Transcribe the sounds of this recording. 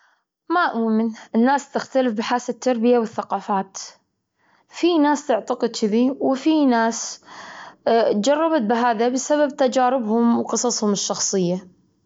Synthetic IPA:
maʔmʊːmɪnʔɪnːaːst̪ɪxt̪alɪfbɪħaːsat̪ːɑɾˤbɪjawɪθːaqɑːfaːt̪ | finaːst̪ɪʕt̪aqɨd̪t͡ʃɪðiwfinaːs | td͡ʒɑrˤːɑbat̪̚bɪɦaːðabɪsaβab̚t̪ad͡ʒaːɾɪbhʊmwqɨsˤɑsˤhʊmɪʃːɑxsˤɨjːa

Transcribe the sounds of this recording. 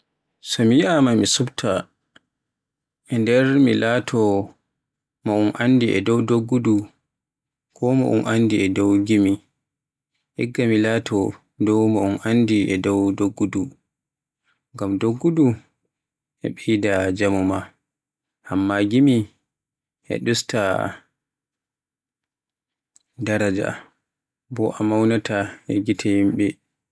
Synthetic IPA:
sɔmijiʔamamisubtʰa | ʔɛndɛɾmilatʰɔ | maunʔandiʔɛ̰dɔwdoɡːudu | kʰɔma̰ʔṵnʔandiɛdɔwɡimi | ʔɛɡːamilaːtʰɔ | dɔwmaunʔandiʔɛdɔwdoɡːudu | ŋɡamdoɡːudu | ʔɛ̰ɓɛjdad͡ʒamuma | hamːaɡimi | ʔɛ̰ɗusta | daɾad͡ʒa̰ | bɔʔamawnatʰaʔɛɡitʰahimɓɛ

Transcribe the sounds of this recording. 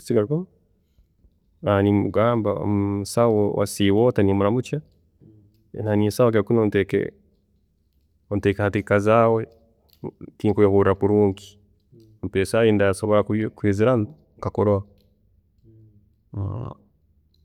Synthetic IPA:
siɡaɾkɔm | animuɡaːmbasawɔwa̰siwɔtanimuɾamut͡ʃa | nanisawak̬ekunontɛkɛ̰ | ɔntɛkhatikazawɛ | tiŋkujhuɾapuɾuŋki̥ | m̩pɛsajindasoβoɾakkwiziɾa | kakoɾoa

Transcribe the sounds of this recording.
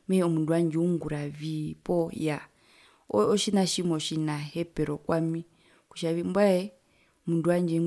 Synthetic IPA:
mɛɔmunduand͡ʒɛuŋɡuɾavipɔja | ɔɔʃinaʃimɔʃinahɛpɛɾɔkwami | ku̥ʃavimbwaɛ | munduaɲd͡ʒɛ

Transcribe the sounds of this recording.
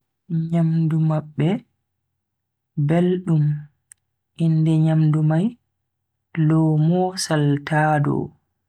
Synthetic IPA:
ɲamdumaɓːɛ | belɗum | ʔindɛɲamdumaj | lɔmɔːsaltʰaːdɔ̰

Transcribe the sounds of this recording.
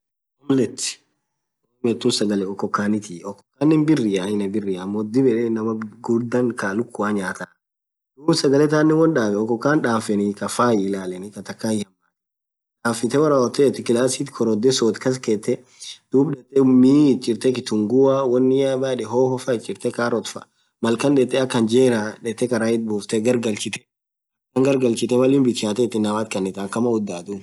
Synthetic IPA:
ɔmlɛt̪ːɪ̥ | ɔːmɛt̪ːusɐɡɐlɛɔkːɔkːaːnɪt̪ʰiɔkːɔkːaːnːɛnbɪrːɪjaɪnɐbɪrːɪɐmːoːd̪ɪbɛᶑɛnɐmɐɡʊd̪ɐŋkaːlʊkːʊaɲaːt̪a | d̪̥uːbsɐɡɐlɛt̪aːnːɛwɔnᶑaːɡɛɔkːɔkːaːnᶑaːfɛnɪkɐfaːjɪlaːlɛnɪkɐt̪ɐkːaːjɪhɐmːaː | ᶑaːfɪt̪ɛwɐɾaːwɔt̪ːɛːt̪ːɪkɪlaːsit̪kʰɔɾɔd̪ɛsoːt̪kɐs̬keɛt̪ːɛ | d̪̥uːbᶑɛt̪ːɛmiːɪt͡ʃʼːɪɾt̪ɛkɪt̪ʊŋɡʊawɔnːɪabaːᶑɛɦoːhɔfɐɪt͡ʃʼːɪɾt̪ɛkaːɾɔt̪fɐ̰ | mɐlkɐnᶑɛt̪ːɛɐkːɐnd͡ʒeːɾaᶑɛt̪ːɛkɐɾaːɪt̪̚buːft̪ɛɡɐɾɡɐlt͡ʃɪt̪ɛ̥ | kɐŋɡɐɾɡɐlt͡ʃɪt̪ɛmɐlɪːmbɪt͡ʃːaːt̪ɛːt̪ːɪnːɐmaːt̪̚kɐnːɛt̪aːkːɐmɐʊd̪ːaːt̪ʊ

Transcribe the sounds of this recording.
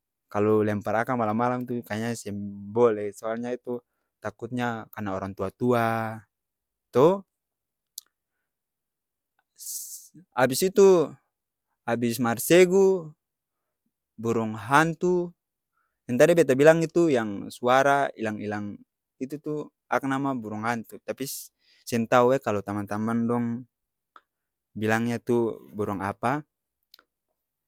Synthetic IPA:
kalɔlɛmpaɾakaŋmalamalaŋt̪ukaɲasɛmbɔlɛsɔalɲait̪u | t̪akut̪̚ɲakanaɔɾaŋt̪uat̪ua | t̪ɔ | abisit̪u | abismarsɛɡu | buɾɔŋɦant̪u | jɛnt̪aɾɛbɛt̪̬abilaŋit̪ujaŋsuaɾaḭlaŋilaŋ | it̪ut̪u | ak̚namabuɾɔŋɦant̪ut̪api | sɛnt̪auɛkalɔt̪amant̪amandɔŋ | bilaŋɲat̪ubɔɾɔŋa̰pa

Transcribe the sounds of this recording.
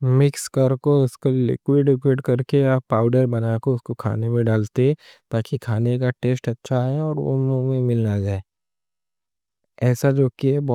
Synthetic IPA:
mɪkskəɾkoʊskolɪ̰kwɪɖɪk̬wɪːɖkɐɾkeapaːʊɖəɾbɐnakoʊskokʰa̰ːnemẽɖaːlt̪e | t̪aːkikʰaːnek̬aʈeːsʈɐtːʃʰaɦɛɔːɾʋo̰mumẽmɪlnad͡ʒaːeː | ɛːsad͡ʒoːkiɦɛbɔ

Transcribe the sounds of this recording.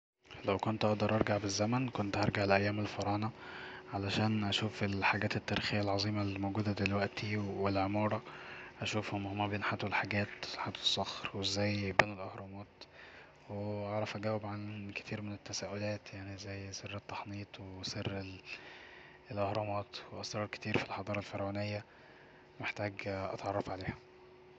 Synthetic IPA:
læwkont̪ʔɑʔd̪ɑɾˤʔɑɾˤɡaʕbezːæmænkont̪ʔɑɾˤɡaʕlʔæjːæːmelfɑɾˤɑːnɑʕalæʃæːnʔæʃuːfelħaɡæːt̪et̪ːæɾiːxejːælʕɑzˤiːmɑlmowɡuːd̪æd̪elwæʔt̪iwelʕomɑːɾˤɑʔæʃuːfhomhmæbeːnħat̪welħaɡæːt̪ħat̪ːwesˤːɑxɾwezːæːjbeːnelʔohɾˤomɑːt̪ | weɑʕɾˤɑfʔæɡæwːebʕanke̥t̪ʰiːɾmenet̪ːæsæːʔolæːt̪jaʕnizːæjserːet̪ːɑ̥ħniːt̪ˤweserːe | elʔɑhɾˤɑmɑːt̪weʔɑsɾˤɑːɾke̥t̪iːɾfilħɑd̪ˤɑːɾˤɑlfɑɾˤwæːnejːæ | meħt̪æːɡʔɑ̰t̪ʕɑrˤːɑfʕaleːhæ

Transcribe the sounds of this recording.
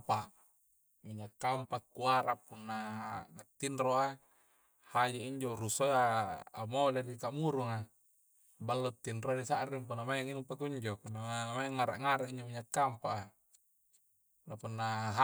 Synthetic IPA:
pa | miɲakːampakːuaɾapunːanat̪ːinroa | had͡ʒaiɲd͡ʒoɾusoaːmoladikamuɾuŋa | balːot̪ːinrodisaʔɾiŋpunːamajaŋinumpakuɲd͡ʒopunːamajaŋaɾa̰ʔŋaɾaʔiɲd͡ʒomiɲakːampaʔa | napunːaɦa

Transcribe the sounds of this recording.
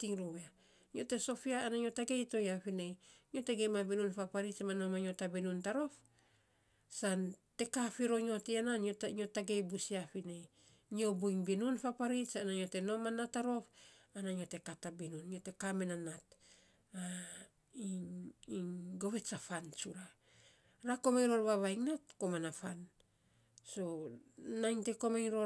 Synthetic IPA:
tiŋɾuβea | ɲiote̞so̞fiaːnaɲio̞taɡe̞jto̞jafine̞jɲo̞te̞ɡejmabinunfapaɾit͡ʃmanomaɲo̞tabinuntaɾo̞f | sante̞kafiɾo̞ɲo̞tiananoɲo̞taɡe̞jbusiafine̞j | ɲio̞buiŋbinunfapaɾit͡ʃanaɲio̞te̞no̞manataɾo̞fanaɲiote̞katabinunjote̞kamenanat | a | iiŋɡo̞βe̞safant͡ʃuɾa | ɾako̞majɾo̞ɾβaβajŋnat̚komanafan | so̞najŋte̞ko̞majŋɾo̞

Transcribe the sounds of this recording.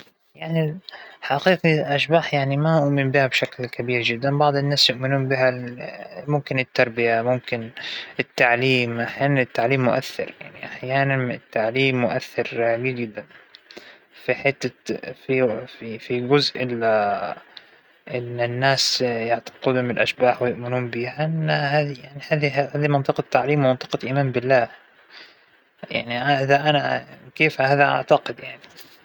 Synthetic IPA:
jaʕniħɑqiːqiʔaʃbaːħjaʕnimaʔʊʔmɪmbihabʃaklkabiːɾd͡ʒɪd̪ːanbɑʕd̪ˤɪnːaːsjʊʔmɪnuːmbiɦa | mʊmkɪnɪt̪ːɑɾˤbɪjamʊmkɪnɪt̪ːaʕliːmʔaħjaːnanɪt̪ːaʕliːmːʊʔa̰θːɪ̰ɾjaʕniʔaħjaːnanɪt̪ːaʕliːmːʊʔaθːɪɾɡɪɪd̪ːan | fiħɪt̪ːafififiɡʊzʔɪla | ʔɪnːɪnːaːsjaʕt̪ḁqɪd̪hʊmɪlʔaʃbaːħwɪjɪʔmɪnuːmbiːhaʔɪnːhaːðijaʕnihaːðihaːðimɑnt̪ˤɨqɑt̪ːaʕliːmwmɑnt̪ˤɨ̥qɑʔimaːmbɪlːaː | ja̰ʕniaʔɪðaʔanakeːfhaːðaʔa̰ʕt̪aqɪd̪jaʕni

